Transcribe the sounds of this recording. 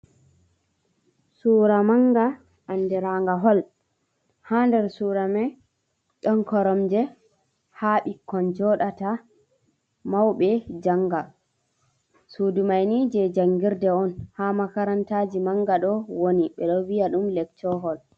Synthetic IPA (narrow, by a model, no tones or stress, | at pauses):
suːɾamaŋɡa | ʔandɛɾaŋɡaɦɔl | handɛɾsuɾamɛ | ɗɔnkɔɾɔmd͡ʒɛ | haɓikːɔnd͡ʒɔɗata | mawɓɛd͡ʒaŋːɡa | suːdumajnid͡ʒɛd͡ʒaŋɡiɾdɛɔnhamakaɾantaːd͡ʒimaŋɡaɗɔwoniɓɛɗɔwiaɗumlɛk̚tɔɦɔl